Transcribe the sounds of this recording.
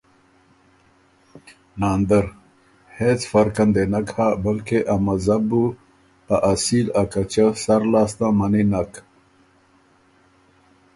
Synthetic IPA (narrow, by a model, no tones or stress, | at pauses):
naːnd̪əɾ | het͡sfɐɾkand̪enakhabəlkeʔamazabu | taʔasilakat͡ɕasɐɾlaːst̪ãmaninak